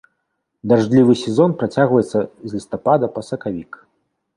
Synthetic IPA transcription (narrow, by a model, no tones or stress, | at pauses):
d̪arʐd̪lʲivɨsʲɛzɔnpɾat͡sʲaɣvɐjɛt̪sːɐzlʲist̪apad̪ɐpɐsɐkavʲik